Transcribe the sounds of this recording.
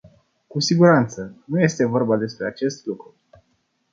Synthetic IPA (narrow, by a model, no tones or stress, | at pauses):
kusiɡuɾant̪sənuje̞st̪e̞vo̞rbad̪e̞spɾe̞at͡ʃe̞st̪lukɾu